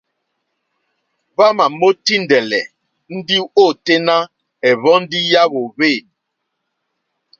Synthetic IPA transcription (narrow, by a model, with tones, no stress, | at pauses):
βa˦ma˨mo˦ti˦n˨dɛ˨lɛ̰˨ | n̩˦di˦o˦˨te˦na˦ | ɛ˨βɔ˦n̩˦di˦ja˦βo˨βe˦˨